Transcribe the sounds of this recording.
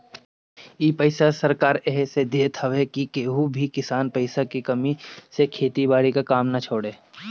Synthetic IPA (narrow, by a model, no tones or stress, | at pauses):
iːpəɪsasɐɾkaːɾɛɦsed̪eːt̪ʰəʋekikeːɦubʱikɪsaːnpəɪsakikɐmisekʰeːt̪ibaːɽikakaːmnat͡ʃʰoːɽeː